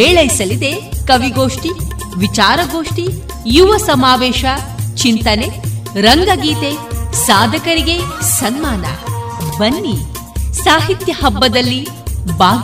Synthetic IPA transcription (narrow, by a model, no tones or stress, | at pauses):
eːɭɐjsɐlid̪e̞kɐʋiɡoːʂʈi | ʋit͡ʃaːɾɐɡoːʂʈi | juʋɐsɐmaːʋɛːʃɐ | t͡ʃint̪ɐneɾɐŋɡɐɡiːt̪esaːd̪ʱɐkɐɾiɡe̞sɐnmaːnɐ̰bɐnːi | saːɦit̪jɐhɐbːɐd̪ɐlːi | baː